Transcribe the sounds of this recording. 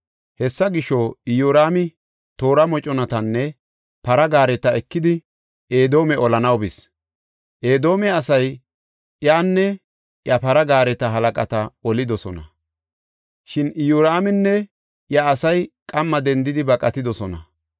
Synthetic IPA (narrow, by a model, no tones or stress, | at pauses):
hɛsːɐɡɪʃːoɪjuːɾaːmɪ | t̪o̞ːɾɐmɔt͡ʃʼɔnɐt̪ɐnːɛ | pɐɾɐɡaːɾɛt̪ɐɛkːɪd̪ɪ | e̞ːd̪o̞ːmɛɔlɐnɐwbɪs | ʔeːd̪o̞ːmɛɐsɐj | jaːnːɛ | jɐpɐɾɐɡaːɾɛt̪ɐɦɐlɐkʼɐt̪ɐɔlɪd̪ɔsɔnɐ̰ | ʃɪnɪjuːɾaːmɪnːɛ | jɐːsɐjkʼɐmːɐd̪ɛnd̪ɪd̪ɪbɐkʼɐt̪ɪd̪ɔsɔnɐ̰